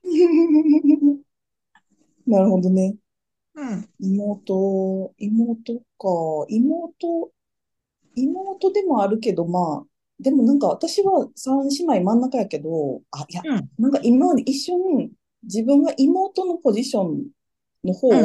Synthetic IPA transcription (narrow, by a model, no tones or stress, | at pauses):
naɾɯ̟ho̞d̪o̞ne̞ | imo̞ːt̪o̞imoːt̪o̞kaimoːt̪o̞ | imo̞ːt̪o̞d̪e̞mo̞aɾɯ̟k̬e̞d̪o̞maː | d̪e̞mo̞nãŋkaβat̪aɕiβasãɕinaimãnːakajake̞d̪o̞ajanãŋkaʔimaɲʔiɕːo̞ɲ̟i | d͡ʑibɯ̟̃ŋɡaʔimo̞ːt̪o̞no̞po̞ʑiɕõ̞n | nːo̞ho̞ː